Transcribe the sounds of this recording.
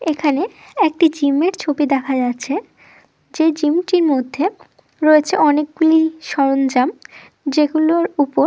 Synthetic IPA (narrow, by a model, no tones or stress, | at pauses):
ekʰane | ek̚ʈid͡ʑimeɾt͡ɕʰobid̪ɛkʰad͡ʑatːɕʰe | d͡ʑed͡ʑimʈiɾmod̪ʱːe | ɾoet͡ɕʰeʔɔnek̚ɡuliʃɔɾond͡ʑam | d͡ʑeɡuloɾupoɾ